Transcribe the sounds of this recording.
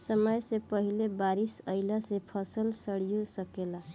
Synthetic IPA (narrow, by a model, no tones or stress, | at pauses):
səməjsẽpəɦilebaɾisəɪlasepʰəsəlsəɽijosəkela